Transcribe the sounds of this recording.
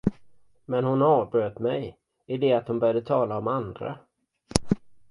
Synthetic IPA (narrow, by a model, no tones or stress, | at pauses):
mɛnhʊnɑːvbɾøːt̪mɛj | ɪd̪ɛat̪hʊnbœɾjad̪ət̪ʰɑːlaɔmand̪ɾa̰